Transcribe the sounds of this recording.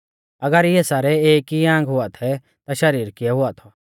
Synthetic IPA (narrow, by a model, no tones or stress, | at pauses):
ɐɡəɾjɛsaːɾɛeːkiãːŋɡɦʊat̪ʰɛ | t̪aʃɐɾiːɾkɪɛɦʊat̪ʰɔ